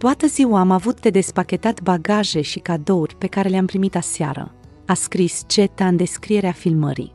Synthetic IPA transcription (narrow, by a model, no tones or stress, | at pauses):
t̪oat̪əziwaːmavut̪ːe̞d̪e̞spakʲe̞t̪at̪baɡaʒe̞ʃikad̪o̞urʲpe̞kaɾe̞leampɾimit̪asea̰ɾə̰ | askɾist͡ʃe̞t̪aɨnd̪e̞skɾije̞ɾeafilmə̰ɾḭ